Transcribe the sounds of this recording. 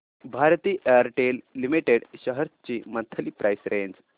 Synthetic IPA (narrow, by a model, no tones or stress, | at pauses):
bʱaɾt̪iːʔejəɾʈelːimiʈeɽɕəɦəɾt̪t͡ɕiːmənt̪ʰəliːpɾʔajsɾẽɲd͡z